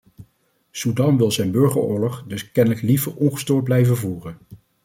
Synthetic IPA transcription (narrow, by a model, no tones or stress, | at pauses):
sudɑnʋɪlˠzɛjnbɵɹχəɹʊːɹlɔχdɵskɛnələklivəɹɔnχə̥stʊːɹd̚blɛjvəvuːrən